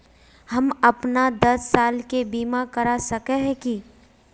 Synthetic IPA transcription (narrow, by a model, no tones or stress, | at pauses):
hɐmɐpnad̪ɐsːaːlkebiːmakɐɾasɐkeɦɛ̃ki